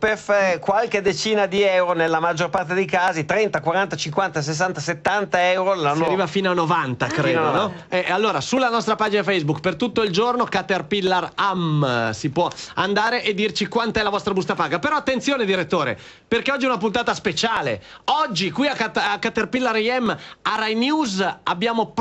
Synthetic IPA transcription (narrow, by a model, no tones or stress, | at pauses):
pefkwalked̪et͡ʃiːnad̪iɛwɾonelːamad͡ʒːorpart̪ed̪ejkaːzit̪ɾɛnt̪akwaɾant̪at͡ʃiŋkwant̪as̬es̬ːant̪aset̪ːant̪aɛwɾolanːaiːvafiːnoanːovant̪akɾeːd̪oɔ | ɛʔalːoːɾasulːanɔst̪ɾapaːd͡ʒinafɛjzbukpert̪ut̪ːoild͡ʒornokat̪erpilːaramsipwɔand̪aːɾeʔed̪ːirt͡ʃikwant̪aɛlavɔst̪ɾabust̪apaːɡapeɾɔat̪ːent̪sjoːned̪iɾet̪ːoːɾḛ | perkeɔd͡ʒːiɛunapunt̪aːt̪aspet͡ʃaːlḛɔd͡ʒːikwiakat̪akːat̪erpilːaɾiɛmːaɾajnjuːzabːjaːmop